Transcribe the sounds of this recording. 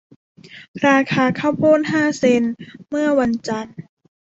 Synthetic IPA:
ɾaː˧kʰaː˧kʰa˧˥˩wboː˥˩˨nɦaː˥˩se˧nmɯ˥˩ɐwa˧nt͡ɕa˧n

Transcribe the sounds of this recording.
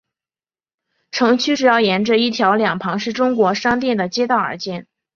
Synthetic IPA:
ʈ͡ʂʰɤ˧˥ŋt͡ɕʰy˥ʈ͡ʂɻ̩˨˩jɑ˥˩ʊjɛ˧˥nʈ͡ʂə˥˧i˥˩t̪ʰjɑ˧˥ʊljɑ˨˩ŋpʰɑ˧˥ŋʂɻ̩˥˩ʈ͡ʂʊ˥ŋkwɔ˧˥ʂɑ˥ŋt̪̬jɛ˥˩nd̪ə˩t͡ɕjɛ˥t̪ɑ˥˩ʊə̰˞˧˥t͡ɕjɛ˥˩n

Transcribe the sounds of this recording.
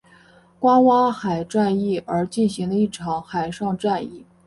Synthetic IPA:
kwa˥wa˥xa˨˩ɪʈ͡ʂa˥˧ni˥˩ə˞˧˥t͡ɕi˥˩nɕi˧˥ŋd̪ə˧i˥˩ʈ͡ʂʰɑ˨˩˥ŋxa˨˩ɪʂɑ˥˧ŋʈ͡ʂa˥˧ni˥˩

